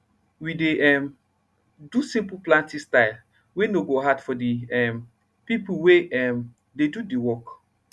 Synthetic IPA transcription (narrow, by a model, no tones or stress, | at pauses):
wideʔɛm | dusĩmpuplãntĩstaɪl | wenoɡoɦadfɔdiɛm | pipuweɛm | dedudiwɔk